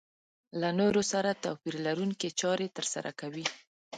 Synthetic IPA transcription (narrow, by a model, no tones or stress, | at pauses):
lanoɾosaɾat̪apiɾlaɾuŋket͡ʃɑɾet̪əɾsa̰ɾʔa̰kawi